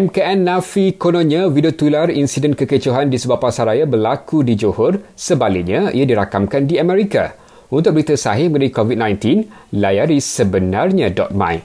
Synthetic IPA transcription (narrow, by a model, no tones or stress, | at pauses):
ɛmkaɛnːãfikonõnavidiot̪ularinsidɛnkəkət͡ʃoɦandisəbapːasaɾajabərlakudid͡ʒohɔrsəbalɪk̚ɲãḭadiɾakamkandiamɛɾika̰ | unt̪ʊk̚bəɾit̪əsaɦɪməənaɾikovid̚nãjnt̪in | lajaɾisəbənãrɲãdɔ̰t̪̚mã̰j